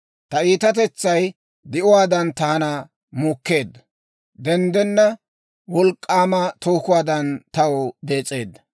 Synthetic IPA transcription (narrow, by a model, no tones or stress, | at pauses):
t̪ɐiːt̪ɐt̪̬ɛt͡sːɐj | d̪ɪʔʊwaːd̪ɐnt̪ɐhɐnɐ | muːkːe̞ːd̪ːɐ | d̪ɛnd̪ɛnːɐ | wɔlkʼːaːmɐt̪oːkʊwaːd̪ɐnt̪ɐwɔd̪e̞ːt͡sʼːe̞ːd̪ːɐ̥